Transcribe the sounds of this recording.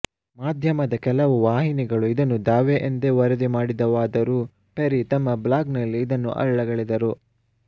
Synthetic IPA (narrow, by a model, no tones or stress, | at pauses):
maːd̪ʱjɐmɐd̪ɐkɛlɐʋuʋaːɦiniɡɐɭuid̪ɐnːud̪aːʋeʔend̪eʋɐɾɐd̪imaːɽid̪ɐʋaːd̪ɐɾu | peɾit̪ɐmːɐblaːɡnɐlːiːd̪ɐnːṵʔɐ̰ɾɭɐɡɐɭid̪ɐɾu